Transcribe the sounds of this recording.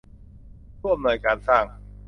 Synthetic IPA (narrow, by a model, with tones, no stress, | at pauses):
kʰu˥˩m̚nu˧˩jkaː˧nsaː˥˩ŋ